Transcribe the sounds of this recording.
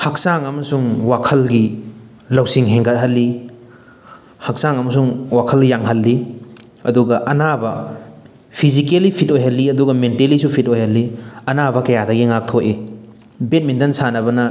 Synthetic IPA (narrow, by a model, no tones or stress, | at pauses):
hɐk̚saŋɐmɐsuŋwakʰɐlɡi | lɐwsiŋɦeŋɡʰɐt̚ɦɐlːi | hɐk̚saŋɐmɐs̬uŋwakʰɐljaŋɦɐlːi | ɐduɡɐʔɐnabɐ | pʰizikelipʰit̚ojɦɐlːiɐduɡɐmentelisupʰitojhɐlːiɐnabɐkɐjadɐɡiŋak̚tʰoʔe | bet̚mindɐnsanɐbɐnɐ